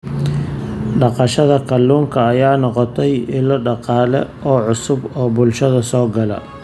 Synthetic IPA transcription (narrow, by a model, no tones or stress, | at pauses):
ɖɑqɑʃɐðɐkʰɐlːuːŋkʰɐːjaːnɔqɔt̪ʰɛjɪlɔɖɑqɑːlɛ̰ʔɔːʕʊsʊbɔːbʊlʃɐðɐsɔːɡɐlɐ̰